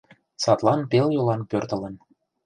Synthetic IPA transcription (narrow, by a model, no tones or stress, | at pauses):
sɑt̪lɑnpeljolɑnpørt̪ə̆lə̆n